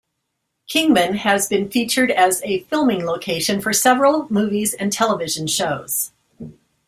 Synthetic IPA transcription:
kʰɪ̃ŋmɨ̃nɨzbɨ̃nfit͡ʃə˞ɾɨzɨfɪlˠmɪ̃ŋloʊkʰeɪʃɨ̃nfə˞sɛvɹl̩ˠmʉvizɨ̃ntʰɛlˠəvɪʒɨ̃nʃoʊz̥

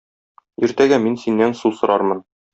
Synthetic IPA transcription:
ĭɾt̪æɡæminsinːænsusŏɾɑɾmɤn

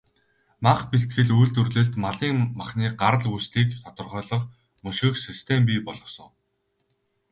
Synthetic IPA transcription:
maχpiɬt̪̚ɡɘ̆ɮujɮt̪ɵrɮɘ̆ɮt̪maɮiːŋmaχniːɢaɾə̆ɮust̪iːkt̪ʰat̪ə̆rχœːɮɞ̆q | mɵʃɘ̆xsist̪ʰempiːpɔɮɞ̆χsɞ̆ŋ

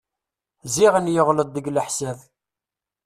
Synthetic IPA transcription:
ziʁənjəʁləd̪ˤːəɡləħsæð

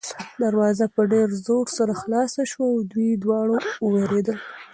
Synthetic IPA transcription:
d̪aɾwɑzapəɖeɾzoɾsaɾaxlɑsaʃwawd̪wid̪wɑɽowəweɾed̪əl

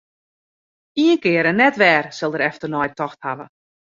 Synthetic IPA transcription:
iənkɪəɾɛnːɛtʋɛːrsɪlˠdəɾɛftərnɔjtɔxthaʋə̰

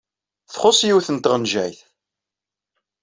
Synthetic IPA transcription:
θχʊsˤjiwθənt̪ʁənʒæ̰jθ

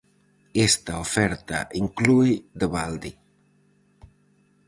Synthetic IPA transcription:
est̪aofɛɾt̪a̰ʔiŋklujd̪əβald̪i

